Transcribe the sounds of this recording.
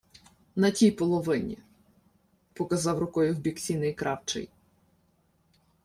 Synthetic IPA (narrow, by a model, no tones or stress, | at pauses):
nɐtʲijpɔlˠɔʋɪnʲḭ | pɔkɐzɑwɾʊkɔjʊwbʲiksʲinɪjkɾɑwt͡ʃɛ̰j